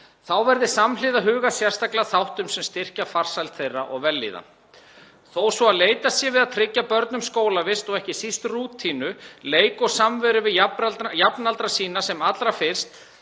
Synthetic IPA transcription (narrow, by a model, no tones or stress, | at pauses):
θawvɛɾðɪsamlɪðaɦʏːɣasjɛr̥st̪aklaθawht̪ʏmsɛmst̪ɪr̥cafar̥sajlt̪θejrːa̰ʔɔɣvɛlːḭːða̰ | θoːwsvɔaðleːjt̪asjɛvɪðaðt̪ʰɾɪcːapœɾt̪nʏmskoːwlavɪst̪ɔɣɛhcɪsist̪ruːt̪ʰːiːnʏleːjkɔɣsamvɛɾʏvɪajapnalt̪ɾasiːnasɛmat̪lɾafɪr̥st̪